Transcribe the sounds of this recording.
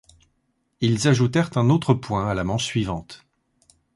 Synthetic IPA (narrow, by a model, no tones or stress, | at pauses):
ilzaʒut̪ɛʁt̪ɛ̃not̪χəpwɛ̃alamɑ̃ʃsɥivɑ̃t̪